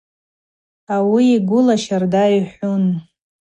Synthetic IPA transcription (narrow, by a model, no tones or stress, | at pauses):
awiːɡʷʊlaʃardajħʷʊn